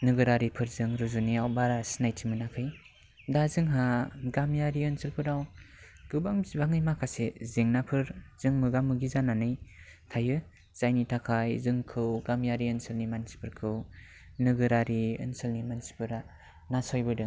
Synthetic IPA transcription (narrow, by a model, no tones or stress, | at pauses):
nɯɡɯɾaɾipʰɯɾzɯŋɾuzuniawbaɾasinajtʰimɯnakʰɯj | dazɯŋɦaɡamjaɾiɯnsɯlpʰɯɾaw | ɡ̥ɯbaŋbbaŋɯjmakʰasezeŋnapʰɯɾz̥ɯŋmɯɡamːɯɡizananɯjtʰajɯ | z̥ajnitʰakʰajzɯŋkʰɯwɡamjaɾiɯnsɯlnimansi̥pʰɯɾkʰɯw | nɯɡɯɾaɾiɯ̰nsɯlnimansi̥pʰɯɾa | nasɔjbɯdɯŋ